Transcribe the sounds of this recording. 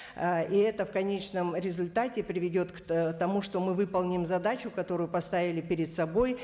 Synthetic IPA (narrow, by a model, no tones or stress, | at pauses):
iɛt̪əfkɐnʲet͡ɕnəmɾʲɪzʊlʲt̪atʲɪpɾʲɪvʲɪdʲo̞t̪kt̪ɐmuʂt̪o̞mɨvɨpəlˠnʲɪmzɐd̪at͡ɕʊkɐt̪o̞ɾʊjʊpɐst̪avʲɪlʲɪpʲɪɾʲɪd̪sɐbo̞j